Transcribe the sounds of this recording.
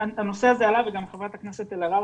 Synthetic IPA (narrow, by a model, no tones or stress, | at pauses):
ano̞se̞azealaveɡamχevʁatakneset̪elaʁa